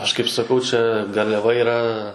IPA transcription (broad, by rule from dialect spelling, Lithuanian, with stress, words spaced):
ˈɐʃ kɐɪp sɐˈkɐʊ ˈt͡ʃʲɛ ɡɐrʲlʲɛˈʋɐ iːˈrɐ